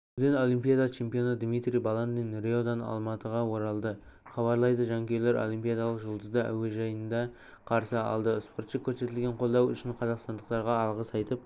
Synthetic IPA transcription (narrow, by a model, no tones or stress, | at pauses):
ʊd̪eno̞limpʲijad̪at͡ʃʰe̞mpijo̞nəd̪mijt̪ɾijbɑlˠannenrʲeod̪ɑnɑ̰lˠmɑt̪əʁɑwo̞ɾɑlˠd̪ə | χɑβɑɾlˠɑjd̪əʒɑŋkʲʰe̞jleɾo̰lˠimpʲijad̪alˠəqʒəlˠd̪əzd̪əæ̰weʒɑjənd̪ɑ | qʰɑɾsəɑ̰lˠd̪əspo̞ɾt̪ʃəkʲʰːɵɾse̞t̪ɪlɡʲeɴqʰo̞lˠd̪ɑwʏ̰ʃɪɴqʰɑzɑqst̪ɑnd̪əq̚t̪ɑɾʁɑɑlˠʁəsɑjt̪əp